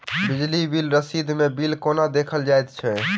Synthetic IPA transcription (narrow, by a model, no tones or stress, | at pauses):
bid͡ʒlibilɾəsid̪ʱmebilkonad̪ekʰəld͡ʒajt̪t͡ʃʰɛ